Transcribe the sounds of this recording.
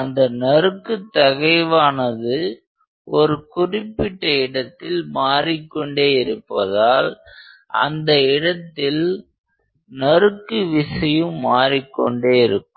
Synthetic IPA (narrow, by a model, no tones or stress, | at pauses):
ɐnd̪ɐnɐrɯkːɯt̪ːɐɣɐɪʋaːnɐðɯ | ʔɔɾɯkʊrɪpːɪʈːɐɪɽɐt̪ːɪlmaːrɪkːɔɳɖeːɪɾɯpːɐðaːlɐ̰nd̪ɐɪɽɐt̪ːɪl | nɐrɯkːɯʋɪsɐjɯmːaːɾɪkːɔ̰ɳɖeːɪɾɯkːɯ